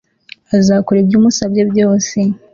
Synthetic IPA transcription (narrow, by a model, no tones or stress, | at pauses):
azaːkoɾebjuːmusabjebjo̞ːse